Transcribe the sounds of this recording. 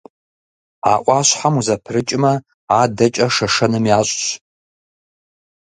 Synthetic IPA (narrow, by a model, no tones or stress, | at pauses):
a̰ʔʷʼaɕʷħamuzapʰrɨt͡ʃʼmɐ | adɐt͡ʃʼɐʂɐʂɐnɨmjaɕʷʼɕ